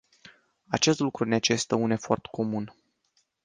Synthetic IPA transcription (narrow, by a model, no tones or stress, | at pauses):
at͡ʃe̞st̪lukɾunet͡ʃe̞st̪əune̞fo̞rt̪kʰo̞mun